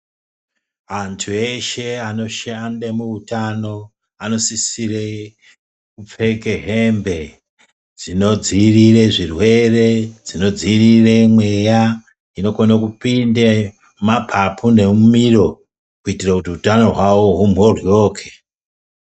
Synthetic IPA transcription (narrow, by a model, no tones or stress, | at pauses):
antʰue̞ʃe̞ano̞ʃandemuutano̞ | ano̞sisire | kup͡fe̞keɦe̞mbe̞ | d͡zino̞d͡zirire̞ʐirwe̞re̞d͡zino̞d͡zirire̞mwe̞ja | ino̞konakupinde | mapʰapʰune̞mumiro̞ | kuitirakutiutano̞ɦwawoɦumo̞rjo̞ːkʰe̥